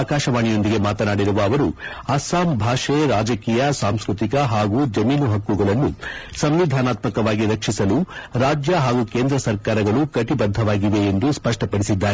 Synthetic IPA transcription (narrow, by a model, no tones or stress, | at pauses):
kaːʃɐʋaːɳijo̞nd̪iɡe̞maːt̪ɐnaːɽiɾuʋɐːʋɐɾu | ɐsaːmbʱaːʂeɾaːd͡ʒɐkiːjɐsaːmskɾut̪ikɐɦaːɡud͡ʒɐmiːnuɦɐkːuɡɐɭɐnːusɐmʋid̪ʱaːnaːt̪mɐkɐʋaːɡiɾɐkʂisɐluɾaːd͡ʒjɐɦaːɡuke̞ːnd̪ɾɐsɐɾkaːɾɐɡɐɭukɐʈibɐd̪ʱːɐʋaːɡiʋe̞ːnd̪uspɐʂʈɐpɐɽisid̪ːaːɾe